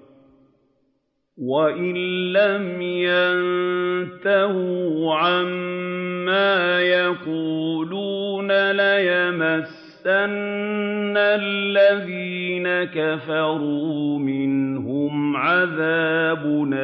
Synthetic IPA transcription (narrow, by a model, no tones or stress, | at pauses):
waʔɪnlamjannt̪ahuʕamː | aːjaquːluːnalajamasːanː | alːaðiːnakafɑɾˤuːmɪnhʊmʕaðaːbʊna